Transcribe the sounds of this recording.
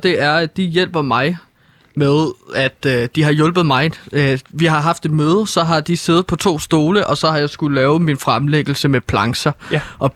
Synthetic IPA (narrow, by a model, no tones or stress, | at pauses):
d̥e̝ʔæɐæd̥ijel̰b̥ɐmɑ̈ɪ | meðˠæd̥d̥iɦɑ̈jɔ̽lb̥ð̞̩ˠmɑ̈ɪʋiɦɑ̈ɦɑ̈fd̥e̝d̥̚møːð̞ˠəsɒ̽ɦɑ̈d̥ise̝ð̩ˠpʰɒ̽t͡sʰo̝̰ːsd̥o̝ːləʔɒ̽sɒ̽hɑ̈jɑɪsɡ̥ullɛːʊminfʁamleɡ̥l̩səmepʰlɑ̈ŋsɐʔɒ̽